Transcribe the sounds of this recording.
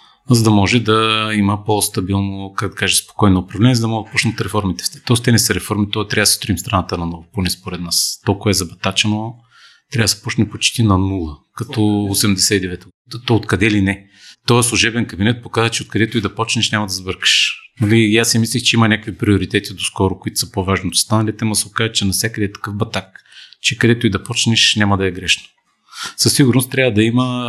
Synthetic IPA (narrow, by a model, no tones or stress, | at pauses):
zɐd̪ɐmɔʒɛd̪ɐiməpost̪ɐbilˠnokak̚d̪ɐkaʒɛspo̥kɔjnoːpɾɐvlɛnʲɛzd̪ɐmɔd̪̚pɔt͡ʃnət̪ɾɛfɔɾmit̪ɛ̥fst̪ɛ̥t̪ɔst̪ɛnɛsəɾɛfɔɾmit̪ɔɛt̪ɾʲavd̪sst̪ɾimst̪ɾɐnat̪ənɐnɔvoponɛspoɾɛd̪nast̪ɔlˠkʊvɐɛzɐbɐt̪at͡ʃɛno | t̪ɾʲavd̪sə̥pɔt͡ʃnɛpot͡ʃt̪inɐnulˠəkɐt̪ɔosɛmd̪ɛsɛid̪ɛvɛt̪t̪ɔot̪kɐd̪ɛlinɛ | t̪ɔɛslˠuʒɛbɛnkɐbinɛt̪̚pokazət͡ʃɛot̪kɐd̪ɛt̪ʊid̪ɐpɔt͡ʃnɛʃnʲamɐd̪ɐzbɤɾkə̥ʃnɐliasɛmislʲixt͡ʃɛimɐnʲakvipɾioɾit̪ɛt̪id̪oskɔɾʊkʊit̪ʊ̥səpovaʒnit̪o̥st̪anɐlit̪ɛmɐsokazət͡ʃɛnɐsjakəd̪ɛt̪ɐ̥kɤfbɐt̪ak̚t͡ʃɛkɐd̪ɛt̪ʊid̪ɐpɔt͡ʃnɛʃnʲamɐd̪ɐɛɡɾɛʃno̥ | sɐsiɡʊɾnost̪ɾʲavəd̪ɐimə